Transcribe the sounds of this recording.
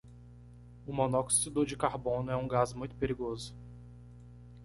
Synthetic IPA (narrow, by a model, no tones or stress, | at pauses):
ʊmonɔksid̪ʊd͡ʒɪkaɾbõnʊɛũɡazmũj̃t̪ʊ̥peɾiɡozʊ